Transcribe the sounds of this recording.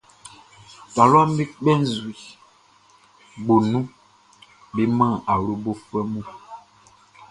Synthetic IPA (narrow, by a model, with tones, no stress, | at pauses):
ta˨lwa˦m˦bi˦k͡pɛ˦n˦zu˨i˨ | ɡ͡bo˨nũ˦ | bi˦mã˦˨a˨ɾo˦bo˦fɛ˦mũ˦